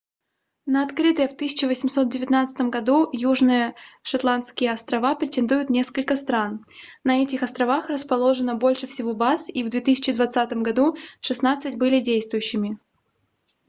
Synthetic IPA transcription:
nəɐt̪kɾɨt̪əjəft̪ɨsʲɪ̥t͡ɕɪvəsʲɪmso̞t̪̚dʲɪvʲɪt̪nat̪sɨ̥t̪əmɡɐd̪ujuʐnɨjəʂɐt̪lˠant̪skʲɪjəɐst̪ɾɐvapɾʲɪtʲɪnd̪ujʊt̪nʲeskəlʲkəst̪ɾan | nɐɛtʲɪxɐst̪ɾɐvaxrəspɐlˠo̞ʐɨnəbo̞lʲʂɨfsʲɪvobasivd̪vʲet̪ɨsʲɪt͡ɕɪd̪vɐt̪sat̪əmɡɐd̪uʂɨsnat̪sɨtʲbɨlʲɪdʲejst̪vʊjʉɕːɪmʲɪ

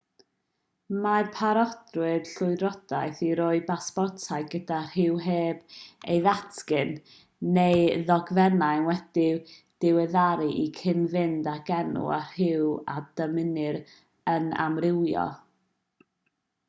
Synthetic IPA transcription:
mapʰaɾɔd̥rɨd̥ɬʊɨɾɔd̥ajθiɾɔɨbaspɔrtʰaɨɡədar̥ɪwɦeːb̥ejðatʰkɨnː | ejðɔɡvɛnajnwɛd̥ɪ | d̥ɪwɛðaɾɨʔikʰɪnvɪndaɡ̥ɛnṵa̰r̥ɪwad̥əmɪnɨɾ | əna̰mrɪwjɔ̰lˠ

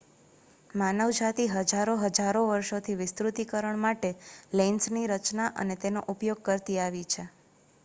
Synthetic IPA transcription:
manəʋd͡ʒat̪iɦəd͡ʒaɾoɦəd͡ʒaɾoʋəɾʃot̪ʰiʋɪst̪ɾut̪ikəɾəɳmaʈelensniɾət͡ʃnaʔə̰net̪enoʔupjoɡ̚kəɾt̪iaʋit͡ʃʰe

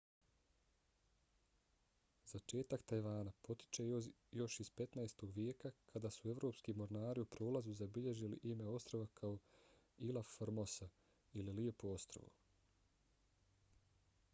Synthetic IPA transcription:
zat͡ʃe̞ːt̪akt̪ajʋaːnapo̞t̪i̥t͡ʃe̞ojo̞ʃizpe̞t̪naest̪o̞ɡʋjeːkakʰad̪aːsue̞ʋɾopskimo̞ɾnaːɾiupɾoːlazuzabiʎe̞ʒilḭʔime̞o̞st̪ɾo̞ʋakʰao | ilˠafɾmo̞sa | ililie̞poo̞st̪ɾo̰ʋṵ

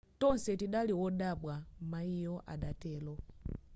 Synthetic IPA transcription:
tɔnsɛtiɗaliwɔɗaɓwamaijɔʔa̰ɗatɛlɔ

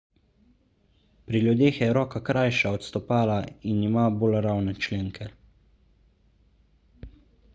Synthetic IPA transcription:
pɾiljud̪eːxjɛɾɔːkakɾajʃaɔt̪st̪ɔpaːlainimaboːlɾawnɛt͡ʃleːŋkʰɛ

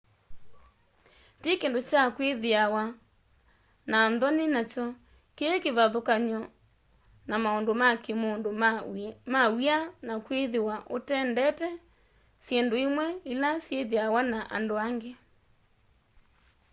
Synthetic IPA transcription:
tikendot͡ʃakweðeawa | nanðɔnenat͡ʃɔ | kekeβaðokaɲɔ | namaondomakemondo | mawianakweðewaʔotɛndɛtɛ | sjendoimwɛilasjeðeawanaʔa̰ndoaŋɡe

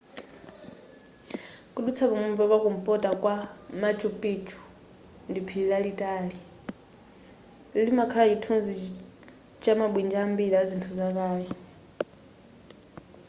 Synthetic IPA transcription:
kʼuɗut͡sʰaβamɛpaβakum̩pʼɔtʼakʼwamat͡ʃʼupʼit͡ʃʰu̥ | ndipʰililaɺitʼaːɺi | limakʰalaitʰunzi | t͡ʃʼamaɓwind͡ʒambiɺazintʰuzak̬ʼaːjɛ

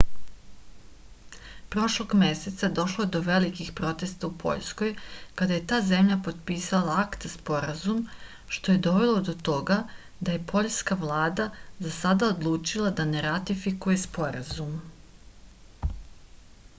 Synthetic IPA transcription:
pɾo̞ʃlo̞ɡme̞se̞t̪sad̪o̞ʃlˠoed̪o̞ʋe̞likixpɾo̞t̪e̞st̪aupʰo̞̰ʎskojkad̪aje̞t̪aːze̞mʎapo̞d̪piːsalˠaakt̪spo̞ɾazum | ʃt̪o̞je̞d̪o̞ʋe̞lo̞d̪o̞t̪o̞ɡa | d̪aje̞pʰo̞ʎskaʋlˠaːd̪azasad̪aod̪lˠuːt͡ʃilˠad̪ane̞ɾat̪ifikuje̞spo̞ɾazum

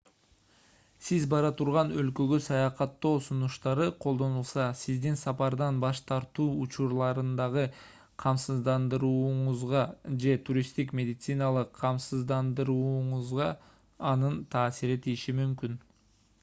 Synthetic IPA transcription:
sizbɑɾɑt̪ʰuɾʁɑnø̞lkø̞ɡøsɑjɑqɑt̪ːo̞ːsunuʃt̪ɑɾɯqʰo̞lˠd̪o̞nulˠsɑsizd̪insɑpɑɾd̪ɑnbɑʃt̪ɑɾt̪uːut͡ʃuɾlˠɑɾɯnd̪ɑʁɯ | qʰɑmsɯzd̪ɑnd̪ɯɾuːɴʊzʁɑd͡ʒe̞t̪ʰuɾʲist̪ikmʲe̞d̪ʲɪt̪sɨnɑlˠɯqʰːɑmsɯzd̪ɑnd̪ɯɾuːɴʊzʁɑː | nɯnt̪ʰɑːsiɾit̪ʰijiʃimymkyn

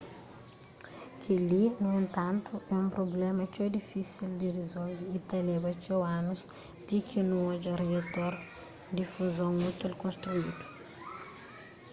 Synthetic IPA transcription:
kilinuẽnt̪ɐ̃nt̪uɛũmpɾoblɛmɐt͡ʃod̪ifisild̪irizolvit̪elɛbɐt͡ʃowãnuz | d̪̥ikʰinũod͡ʒɐriet̪oɾ | d̪ifuzõŋmut̪elkõst̪ɾuid̪u̥

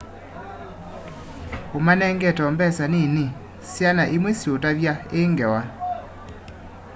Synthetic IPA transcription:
omanɛŋɡɛtɔmbɛsanini | sjanaʔemwesjotaβjaeŋɡɛwa

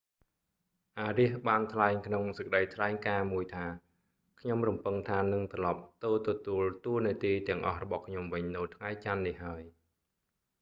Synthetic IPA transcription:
ʔaːriəhɓaːnt̪ʰlaɛŋkʰnoŋsəkə̆ɗəjt̪ʰlaɛŋkaːmuəjt̪ʰaː | kʰɲomrɔmpɨŋt̪ʰaːnɨŋt̪rɑlɑp̚t̪ɨːt̪ɔt̪uəlt̪uəniət̪iːt̪ɛ̆əŋʔɑ̰hrɔɓɑhkʰɲomʋɨɲnɨwt̪ʰŋajt͡ɕanːihɦaəj

